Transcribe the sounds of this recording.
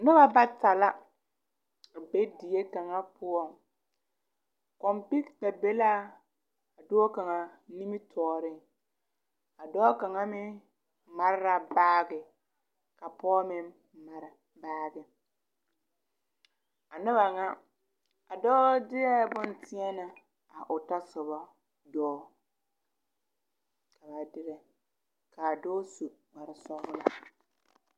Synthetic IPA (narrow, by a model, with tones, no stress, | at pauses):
nʊ˦ba˦ba˦ta˨la˦ | a˨be˦di˨je˦ka˨ŋa˦pʊ˦ɔ˦˨ŋ | kɔ˨mpi˦kta˨be˦la˦˨ | a˨do˦o˦ka˨ŋa˨ni˦mɪ˦tʰɔː˨ɾɪ˦˨ | a˨dɔː˦ka˨ŋa˦mɪ˦ | ma˨ɾɪ˦ɾa˨baː˦ɡɪ˨ | ka˨pɔː˦mɪ˦ | ma˨ɾɪ˨ | baː˦ɡɪ˨ | a˨nɪ˦ba˨ŋa˦ | a˨dɔː˦dɪ˦jɛ˦bʊ˦n˨tɪ˦ɛ˦na˨ | a˨ʔʊ˨ta˦sʊ˨ba˦ | dɔː˦ | ka˨ba˨dɪ˦ɾɛ˨ | ka˨dɔː˦su˨ma˨ɾɪ˨sɔ˦ɣʊ˦la˨